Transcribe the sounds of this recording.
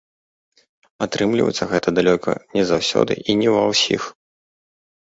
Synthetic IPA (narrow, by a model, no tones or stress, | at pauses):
at̪ɾɨmlʲivɐ̰jt̪sʲɐɣɛt̪ɐd̪alʲɔkɐ̰nʲɛzawsʲɔ̰d̪ɨ̰ʔinʲɛvɐwsʲḭx